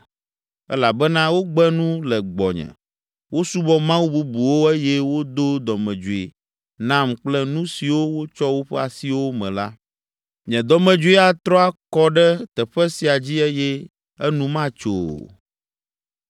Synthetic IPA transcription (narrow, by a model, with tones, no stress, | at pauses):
ɛ̰˦la˨bɛ˦nã˦wo˦ɡ͡bɛ˦nũ˦lɛ˨ɡ͡bɔ̰˨ɲɛ̰̃˨ | wo˦su˦bɔ˦mã˦wu˦bu˦bu˨wo˦e˦jɛ˦wo˦d̪o˦d̪ɔ˨mɛ̃˨d͡ʒu˨e˨ | nã˦mk͡plɛ˦nũ˦si˨wo˦wo˦t͡ʃɔ˦wo˦ɸɛ˦a˨si˦wo˦mɛ̰̃˨la˦ | ɲɛ̃˨d̪ɔ˨mɛ̃˨d͡ʒu˦i˦a˨t̪ɾɔ˦a˦kɔ˦ɖɛ˦t̪ɛ˨ɸɛ˦si˨a˨d͡ʑi˦ɛ˦jɛ˦ | ɛ˦nũ˦mã˦t͡ʃo̰˨